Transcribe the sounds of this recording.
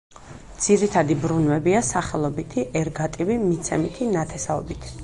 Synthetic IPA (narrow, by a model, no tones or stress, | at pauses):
d̪z̥iɾit̪ʰad̪ibɾunwɛbiasaχɛlˠɔbit̪ʰiʔɛɾɡat̪ʼivimit̪sʰɛmit̪ʰinat̪ʰɛsaɔ̰bit̪ʰ